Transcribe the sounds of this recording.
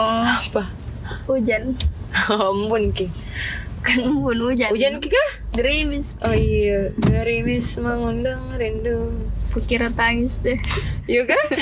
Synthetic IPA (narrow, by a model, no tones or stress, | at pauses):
apa | ud͡ʒanɔmbʊnki | kanmbʊnud͡ʒaud͡ʒankikahɡɾimɪsʔoijəɡɾimɪsmaŋundaŋɾindupukiɾat̪aŋɪsd̪ɛijuka